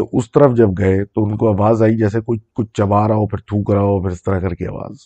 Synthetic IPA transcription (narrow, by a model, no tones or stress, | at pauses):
eʔʊst̪əɾəfd͡ʒɐb̚ɡɐet̪oʊnkoɐʋaːzaːid͡ʒɛːsekʊkʊt͡ʃʰt͡ʃɐbaːɾaɦopʰɪɾt̪ʰuːkɾaːɦopʰɪɾɪst̪əɾakɐɾkeɐ̰ːʋa̰ːz